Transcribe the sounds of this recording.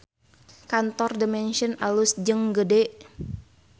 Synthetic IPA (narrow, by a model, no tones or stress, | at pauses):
kant̪ɔrdəmɛnʃənalusd͡ʒəŋɡədɛʔ